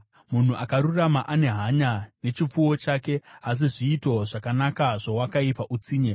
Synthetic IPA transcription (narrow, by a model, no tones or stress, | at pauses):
mun̤uʔakaɾuramaʔane̞ɦaɲane̞t͡ʃip͡fuwo̞t͡ʃaːke̞as̬iʐiːto̞ʐakanakaʐowakaipaʔut͡siːɲe